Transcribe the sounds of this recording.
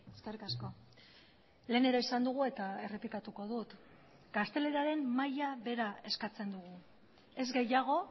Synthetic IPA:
eskerikasko | le̞ːne̞ɾaisand̪uɣue̞t̪ae̞re̞plikat̪uko̞ð̞ut̪ | ɡ̥ast̪e̞le̞ɾiaɾe̞mmajaβe̞ɾae̞skat͡se̞nd̪uɣ̞u | e̞zɡe̞jaɣ̞o̞

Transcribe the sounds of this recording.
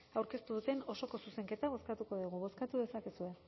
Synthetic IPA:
awɾke̞st̪uðut̪e̞no̞so̞ko̞suse̞ŋke̞t̪aβo̞skat̪uko̞ðuɣuβ̞o̞skat̪uðe̞sakesue̞

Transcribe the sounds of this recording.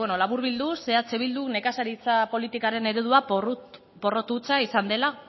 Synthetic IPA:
eno̞laβuɾβild̪use̞at͡seβild̪une̞kasaɾit͡sapo̞lit̪ikaɾe̞ne̞ɾe̞ð̞uar | po̞ro̞t̪ut͡saisand̪e̞la

